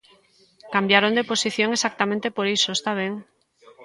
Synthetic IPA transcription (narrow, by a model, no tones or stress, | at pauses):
kambjaɾõnd̪eposiθjõŋesak̚t̪amẽnt̪epoɾisoest̪aβ̞eŋ